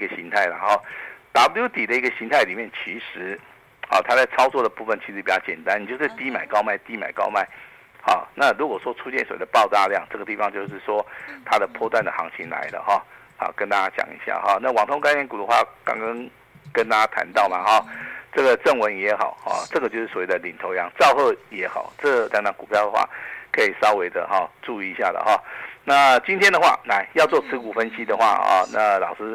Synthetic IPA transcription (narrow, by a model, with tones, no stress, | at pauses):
i˧ɡə˨˩ɕi˧˥ŋt̪ʰa˥˩ɪna˧˨˦nxo˥˩ʊt̪a˨˥blju˥t̪i˨˩d̪ə˦i˧˥ɡə˨˩ɕi˧˥ŋt̪ʰa˥˩ɪli˨˩mjɛ˥˩nt͡ɕʰi˧˥ʂɻ̩˧˦ | ɔ̰˨˩t̪ʰa˥t͡sa˥˩ɪt͡sʰɑ˥ʊt͡swɔ˥˩d̪ə˩pu˥˩fə˨˩nt͡ɕʰi˧˥ʂɻ̩˧˥pi˨˩t͡ɕjɑ˥ʊt͡ɕjɛ˨˩nt̪a˦n˨˩jo˥˧ʊʂɻ̩˥˩t̪i˥ma˨˩ɪkɑ˥ʊma˥˩ɪt̪i˧˥ma̰˨˩ɪkɑ̰˥ʊma˥˩ɪ | xɑ̰˨˩na˥˨ɻu˧˥kwɔ˨˩ʂwɔ˥t͡sʰu˥t͡ɕjɛ˥˩nswḛ˨˥˩d̪ə˨˧pɑ˥˧ʊt̪a˥˧ljɑ˥˧ŋʈ͡ʂɤ˥˩ɡə˩t̪i˥˩fɑ˧˦ŋt͡ɕjo˥˧ʊʂ̬ɻ̩˥˩ʂwɔ˥t̪ʰa˥d̪ə˨pʰwɔ˥˧t̪wa˥˩nd̪ə˨˩xɑ̰˧˥ŋt͡ɕʰi˧˥nla̰˧˦ɪd̪ə̰˧xɔ˥˩na̰˥˩kə˥˦nt̪a˥˩t͡ɕa˥t͡ɕjɑ̰˨˩ŋḭ˧˥ɕja̰˥˩xɔ˥˩na˥˨wɑ˨˩ŋt̪ʰo˥ŋka˥ɛ˥nku˨d̪ə˨˦xwa˥˨˩kɑ̰˥ŋkɑ˥ŋ | kə˥˦nt̪a˥t͡ɕa˥t̪ʰa̰˧˦nt̪ɑ˥˩ʊma˩xɔ˨˩ʈ͡ʂɤ˥˩ɡə˩ʈ͡ʂə˥˩ŋwə˧˥njɛ˧˥xɑ˨˩˦ʊhɔ̰˥˨˩ʈ͡ʂɤ˥˩ɡə˩t͡ɕjo˥˧ʊʂɻ̩˥˩sɔ˨we˥˩d̪ə˨li˨˩nt̪ʰo˧˥ʊjɑ˧˥ŋt͡sɑ˥˧ʊxɤ˥˩jɛ˧˥xɑ˨˩˦ʊʈ͡ʂɤ˥˧˩la˧˥ŋna˧˥˩ŋku˨˩pʰjɑ˥˩ʊd̪ə˩xwa̰˥˩kʰɤ˧˥i˨˩sɑ˥ʊwe˧ɪd̪ə̰˨xɔ˥˩ʈ͡ʂu˥˧i˨˧˦ɕja˥˩d̪ə̰˩xɔ˥˩na˥˨t͡ɕi˥nt̪jɛ˥nd̪ə˨˧xwa̰˥˨na˨˩ɪjɑ˥˧ʊt͡swɔ˥˩t͡sʰɹ̩˧˥ku˨˩fə˦nɕi˦d̪ə˨xwa̰˥˧ɔ̰˨˩na̰˥˨lɑ˨˩ʊʂɹ̩˥